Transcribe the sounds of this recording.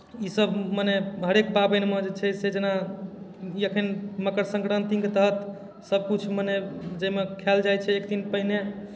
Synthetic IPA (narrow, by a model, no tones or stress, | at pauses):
isəbməneɦəɾekbabenmed͡ʒet͡ʃʰɛsed͡ʒena | jəkʰinməkəɾsə̃ŋkɾənt̪iŋket̪əɦət̪ | səb̚kut͡ʃʰməned͡ʒemekʰeld͡ʒajt͡ʃʰɛːkd̪inpəɦine